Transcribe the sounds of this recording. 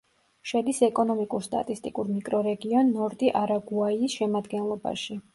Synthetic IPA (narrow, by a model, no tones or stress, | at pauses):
ʃɛd̪isɛkʼɔnɔmikʼuɾst̪ʼa̰t̪ʼist̪ʼikʼuɾmikʼɾɔɾɛɡiɔnːɔɾd̪iʔaɾaɡuaiːsʃɛmad̪ɡɛnlˠɔba̰ʃi